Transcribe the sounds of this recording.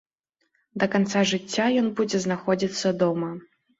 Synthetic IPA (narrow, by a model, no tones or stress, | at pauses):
d̪ɐkant̪saʐɨt͡sʲːajɔnbud͡zʲɛznaxɔd͡zʲit̪sːɐd̪ɔmɐ